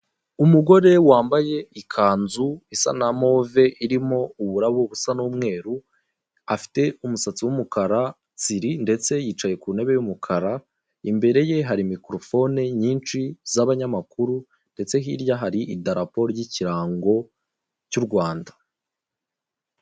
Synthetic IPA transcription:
umuɡo̞ɾe̞waːmbaje̞ikʰaːnzuisa̰namo̞ve̞ʔiɾimo̞uβuɾaβoβusanuːmŋe̞ːɾu | afi̥te̞umusat͡siwumukaɾa | t͡siɾinde̞t͡se̞jiːt͡ʃaje̞kuːne̞βe̞jumukʰaɾa | imbe̞ɾe̞je̞ɦaɾimikɾo̞fo̞neɲiːnt͡ʃizaβaɲamakuɾu | nde̞t͡se̞ɦiɾjaɦaɾiʔidaɾapoɾɟiciɾaːŋɡo̞ | cuɾɡwaːndḁ

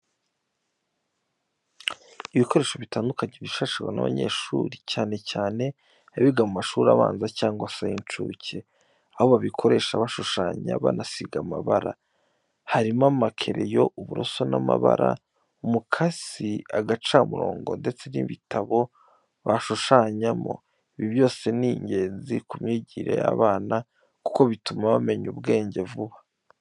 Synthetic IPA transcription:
iβiko̞ɾe̞ːʃo̞βitaːndukaɲeβiʃaʃiɡwana̰βa̰ɲe̞̰ʃuːɾicaːne̞caːne̞ | aβiɡamumaʃuːɾa̰βa̰ːnzacaːŋɡasajint͡ʃṵːcʰe̞ | aho̞βaβikʰo̞ɾe̞ːʃaβaʃuʃaːɲa̰βa̰nasiɡamaβaɾa̰ | haɾimamakʰe̞ɾe̞joʔuβuɾo̰so̞namaβa̰ɾa̰ | umukʰaz̥iaɡat͡ʃamuɾo̰ːŋɡo̞nde̞t͡se̞niβitʰaβo̞ | βaʃuʃaːɲamo̞̰ | iβiβjo̞ːse̞niɲɟe̞ːnzikumɲiːɟiːɾe̞̰ja̰βaːna | ku̥ko̞βitumaβame̞ɲubɡe̞ːɲɟe̞vuβa

